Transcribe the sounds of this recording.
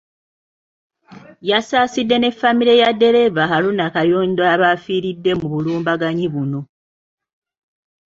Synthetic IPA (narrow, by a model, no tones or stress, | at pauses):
jasaːsidːe̞ne̞fːamiɾe̞jadːe̞ɾe̞vaxalunakajoːndoaβaːfiːɾidːe̞muβuluːmbaɡaɲiβuno̞